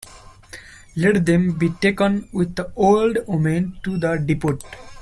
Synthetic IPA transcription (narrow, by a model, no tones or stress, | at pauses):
lɛʈd̪ẽmbiːʈeːkə̃nwɪd̪̚əoːlɖomẽnʈud̪əɖipoʈ